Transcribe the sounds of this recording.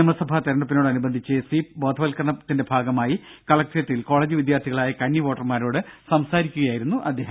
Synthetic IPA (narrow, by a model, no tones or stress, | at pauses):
ɐmɐsɐbʱat̪ɐɾɐɳɖɐp̬ino̞ːɽɨɐnubɐnd̪ʱit͡ɕːɨsiːpboːd̪ʱɐʋɐlkɐrɳɐt̪ːindebʱaːɡɐmaːjikɐɭɐk̚ʈjɐt̪ːilko̞ːɭeːd͡ʑɨʋid̪jaːrt̪ʰiɣɐɭaːjɐkɐɳːiʋoːʈːɐrmaːɾo̞ːɽɨsɐmsaːɾikʲːuɣɐjaːjiɾunːuʔɐd̪ʱːjeːɦɐ